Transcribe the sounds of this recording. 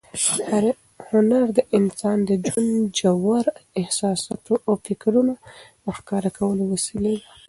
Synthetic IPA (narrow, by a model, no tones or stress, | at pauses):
haɾ | hʊnaɾd̪əʔɪnsɑnd̪əd͡ʒwand͡ʒawaɾɪhsɑsɑ̰t̪oʔafɪkɾuna | əxkɑɾakʰawəlowasilewa